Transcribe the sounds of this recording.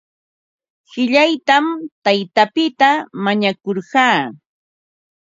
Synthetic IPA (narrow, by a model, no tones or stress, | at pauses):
ɢɪʎajt̪amt̪ajt̪apɪt̪amaɲakoɾɢɑː